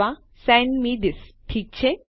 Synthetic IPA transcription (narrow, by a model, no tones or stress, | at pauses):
a | sɛ̃nmiːd̪ɪsʈʰiːk̚t͡ɕʰe